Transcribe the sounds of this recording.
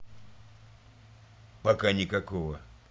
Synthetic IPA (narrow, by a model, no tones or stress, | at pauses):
pakaɲikakɔwa